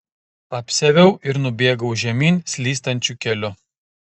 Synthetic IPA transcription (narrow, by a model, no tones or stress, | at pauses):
pɐpʲsʲɛʋʲɛʊʔɪɾnʊbʲeːɡɐʊʒʲɛmʲiːnʲsʲlʲiːst̪ɐnʲt͡ʃʲukʲɛlʲʊ